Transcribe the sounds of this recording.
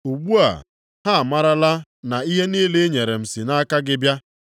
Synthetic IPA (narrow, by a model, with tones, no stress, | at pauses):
u˨ɡ͡bu˦a̰˨ | ha˦a˨ma˦ɾa˦la˦na˨i˦ɦe˦niː˦le˦ɲe˨ɾe˨m̩˨si˨na˦ka˦ɡɪ˦bja˦